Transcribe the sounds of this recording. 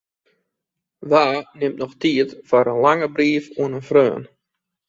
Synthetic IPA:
ʋaːnɪmtnɔxtiətfaɾənlaŋəbriəfuənənfrøːən

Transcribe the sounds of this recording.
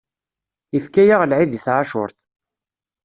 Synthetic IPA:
ifkæjaʁlʕiðiθʕaʃʊ̰ɾθ

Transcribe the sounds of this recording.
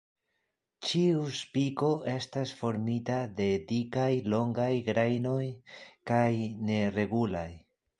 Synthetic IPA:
t͡ʃiuspiko̞ʔe̞stasfo̞ɾmitade̞dikajlo̞ŋɡajɡɾajno̞jkajne̞re̞ɡulaj

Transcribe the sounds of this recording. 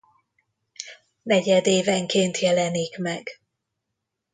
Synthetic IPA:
nɛɟɛd̪eːvɛŋkeːnt̪jɛlɛniːkmɛɡ

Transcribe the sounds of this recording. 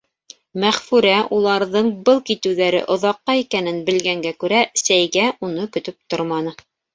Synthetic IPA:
mæχfʉɾæʔulˠɑɾðɤɴbɤlˠkit̪ɘ̆wðæɾɘ̰ʔŏðɑqːɑikænɘnbɘ̆lɡæŋɡækʉɾæsæjɡæunɤkɵ̆t̪ɵp̚t̪oɾmɑnɤ

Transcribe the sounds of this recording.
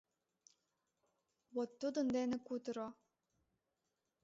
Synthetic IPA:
wot̪ːud̪ə̆nd̪enĕkut̪ɤɾo

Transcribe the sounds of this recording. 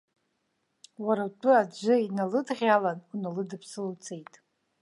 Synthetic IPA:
waɾawtʼʊad͡ʒʷɨinalɨdʁʲalanʷunalɨdɨpʰsɨlt͡sʰejtʼ

